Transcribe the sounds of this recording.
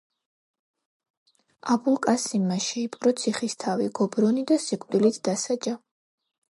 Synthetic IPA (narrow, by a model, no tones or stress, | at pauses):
abulˠkʼasimːaʃɛipʼqʼɾɔt̪sʰiχist̪ʰaviɡɔbɾɔnid̪asikʼvd̪ilit̪ʰd̪̥asad͡ʒa